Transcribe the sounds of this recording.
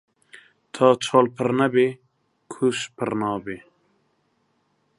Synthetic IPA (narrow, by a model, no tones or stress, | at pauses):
t̪ʰaːt͡ʃʰɑːlpʰəɾnɐbe | kʰuʃpʰəɾnɑːbe